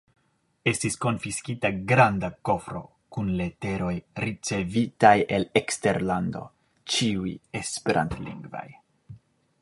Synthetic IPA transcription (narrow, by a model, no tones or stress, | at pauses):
e̞stisko̞nfiskitaɡɾandako̞fɾo̞̰ | kunle̞te̞ɾo̞jɾit͡se̞vitaje̞lekste̞ɾlando̞̰ | t͡ʃiuje̞speɾʔa̰ntlḭŋɡva̰j